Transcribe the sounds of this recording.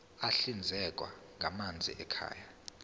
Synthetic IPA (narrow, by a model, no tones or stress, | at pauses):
aɬind͡zʱɛk̬ʼwa̰ | ŋʱamand͡zʱḭʔɛkʰa̰ːja